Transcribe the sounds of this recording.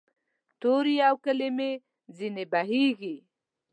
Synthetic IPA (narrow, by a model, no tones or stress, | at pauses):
t̪oɾijawkəleme | zinebaɦiɡi